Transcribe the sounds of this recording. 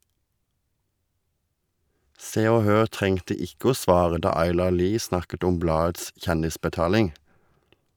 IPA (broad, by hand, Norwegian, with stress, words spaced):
ˈseː ˈoː ˈhøːʁ ˈtʁɛŋtə ˈɪkə ˈoː ˈsʋɑːʁə ˈdɑː ˈɑɪlɑʁ ˈliː ˈsnɑkət ˈɔm ˈblɑːəts ˈçɛndɪspəˌtɑːlɪŋ